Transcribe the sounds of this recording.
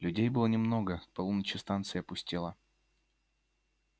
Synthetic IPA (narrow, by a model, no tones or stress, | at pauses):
lʲʉdʲejbɨlˠənʲɪmno̞ɡəpɐlˠunət͡ɕɪst̪ant̪sɨjɐpʊsʲtʲilˠə